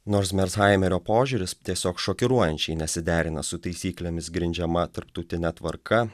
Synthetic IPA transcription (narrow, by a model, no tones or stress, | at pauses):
noːɾsmʲɛɾsɣɑˑɪmʲɛɾʲoːpoːʒʲuɾʲɪst̪ʲiɛsʲoːkʃoːkʲɪɾuɔjɛnʲt͡ʃʲɛɪnʲɛsʲɪd̪ʲæːɾʲɪnɐsʊt̪ɐɪsʲiːklʲeːmʲɪsɡɾʲɪnʲd͡ʒʲɛmɐt̪ɐɾpt̪ɐʊt̪ʲɪnʲɛt̪ʋɐɾkʰɐ